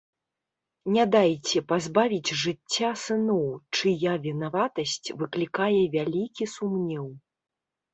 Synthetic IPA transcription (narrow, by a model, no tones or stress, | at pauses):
nʲad̪ajt͡sʲɛpazbavʲid͡zʲʐɨt͡sʲːasɨnɔwt͡ʂɨjavʲinavat̪ɐsʲt͡sʲvɨklʲikajɛvʲalʲikʲisumnʲɛw